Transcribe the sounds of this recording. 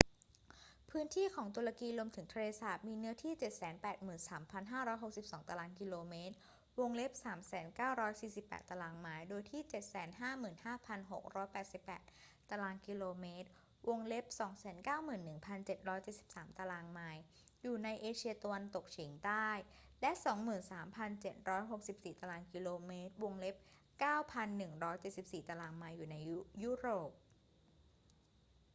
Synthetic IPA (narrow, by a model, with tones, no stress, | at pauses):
pʰɯː˦˥nt̪ʰiː˥˩kʰɔː˩˦ŋt̪̬u˧ɾa˧kiː˧lu˧əmt̪ʰɯ˩˦ŋt̪ʰa˧leː˧sa˨˩t̪̚miː˧nɯ˦˥ɐt̪ʰiː˥˩t͡ɕe˨˩t̪̚sɛː˩˦npɛː˨˩t̪̚mɯː˨˩nsaː˩˦mpʰa˧nɦaː˥˩ɾɔː˦˥jɦo˨˩k̚si˨˩p̚sɔː˩˦ŋt̪a˧laː˧ŋki˧loː˧meː˦˥t̪̚ | wo˧ŋle˦˥p̚saː˩˦msɛː˩˦nkaː˥˩wɾɔː˦˥jsiː˨˩si˨˩pːɛ̰˨˩t̪ːa˧laː˧ŋmaː˧˥jdoː˧jt̪ʰiː˥˩t͡ɕe˨˩t̪̚sɛː˩˦nɦaː˥˩mɯː˨˩nhaː˥˩pʰa˧nɦo˨˩k̚ɾɔː˦˥jpɛː˨˩t̪̚si˨˩pːɛ̰ː˨˩t̪̚ | t̪ːa˧laː˧nki˧loː˧meː˦˥t̪̚ | wo˧ŋle˦˥p̚sɔː˩˦ŋsɛː˩˦nkaː˥˩wmɯː˨˩nːɯ˨˩ŋpʰa˧nt͡ɕe˨˩t̪̚ɾɔː˦˥jt͡ɕe˨˩t̪̚si˨˩p̚saː˩˦mt̪a˧laː˧ŋmaː˧j | juː˨˩na˧jʔeː˧t͡ɕʰi˧ɐt̪a˧wa˧nt̪o˨˩k̚t͡ɕʰiː˩˦ŋt̪aː˥˩jlɛ˦˥ʔsɔː˩˦ŋmɯː˨˩nsaː˩˦mpʰa˧nt͡ɕe˨˩t̪̚ɾɔː˦˥jɦo˨˩k̚si˨˩p̚siː˨˩t̪a˧laː˧nki˧loː˧meː˦˥t̪̚wo˧ŋle˦˥p̚ | kaː˥˩wpʰa˧nːɯ˨˩ŋɾɔː˦˥jt͡ɕe˨˩t̪̚si˨˩p̚siː˨˩t̪a˧laː˧ŋmaː˧jːuː˨˩na˧jju˦˥ɾoː˨˩p̚